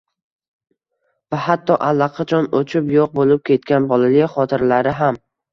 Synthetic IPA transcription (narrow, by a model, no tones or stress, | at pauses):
vahat̪ʰːɒʔalːɑqʰɑt͡ʃʰɒnot͡ʃʰɪpjoq̚bolɪp̚kʲʰe̞t̪kʲanbɒlalɪχɒt̪ʰɪɾlaɾɪɦam